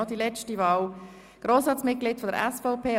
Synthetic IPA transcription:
ɔdilɛt͡ʃtiʋɑːw | ɡ̥ɾoːsɑt͡smɪt̚klɪːtfɔdəɾɛ̰sfɔʊpeː

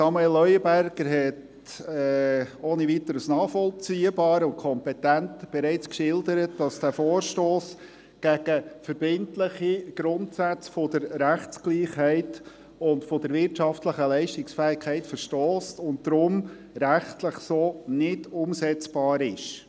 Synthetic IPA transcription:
sɑmuelːœʏəbæɾɡ̥əɾɦɛt | ɛoːnivit̪əɾəsnɑːfɔlt͡siːəbɑːɾʊnt̚kʰɔmpɛtæntb̥ɛɾɛɪt͡skʃɪldəɾətd̥ɑsd̥æːfoːɾʃtoːs | ɡ̥æɡ̥əfəɾb̥ɪntləχiɡ̥ɾʊntsæt͡sfodəɾɾæχtt͡skliːχɦɛɪt | ʊntfod̥əɾʋɪɾtʃɑftləχəlɛɪʃtɪksfɛːɪkʰɛɪtfəɾʃtoːstʊnt̚dɾʊm | ɾæχtləχsoːnɪdʊmsɛt͡sb̥ɑːɾɪʃ

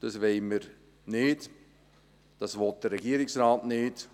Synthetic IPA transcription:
d̥ɑsʋeɪməɾ | nɪːt | d̥ɑsʋɔt̚d̥ərɛɡiːɾɪksraːtnɪːt

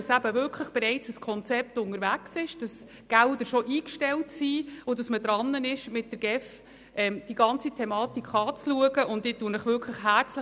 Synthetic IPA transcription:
ɑsæb̥əvʏɾkʰləχb̥ɛɾɛɪt͡səskʰɔnt͡sɛp̚tʊŋəɾvæksɪʃd̥ɑs | ɡ̥ældəɾʃɔʔiːkʃtɛltsiːʊdɑsmədɾɑnːənɪʃmɪt̚d̥əɾɡ̥ɛf | ɛmd̥iɡɑnt͡sitʰɛmɑːtikχɑːt͡sluəɡəʔʊntdɪːtːuənəχʋʏɾkʰləχɦæɾt͡slə

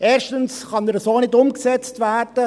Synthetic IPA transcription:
eːɾʃtənsχɑnɛɾəsoːnɪdʊmksɛt͡stvæːrd̥ə

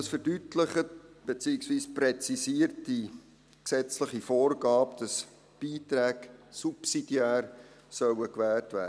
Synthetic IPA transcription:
sfəɾdytləχəb̥et͡siːɪksviːspɾɛt͡sisiːərti | ksɛt͡sləχifoːrɡɑːpd̥ɑs | b̥iːtɾæːksupsid̥iæːr | sœwəkʋæːltvæ̰ː

